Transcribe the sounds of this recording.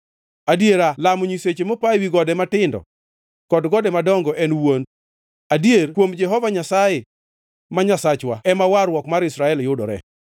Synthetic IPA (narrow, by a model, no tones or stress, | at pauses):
adjeɾalamɔɲiset͡ʃemopajwiɡɔdɛmatɪndɔ̰ | kɔdɡɔdɛmadɔŋɡɔʔɛnwon | adjerkwomd͡ʒɛɦɔvaɲasaje | maɲasat͡ʃwaɛmawaɾwɔkmaɾɪsɾaɛljʊdɔɾɛ̰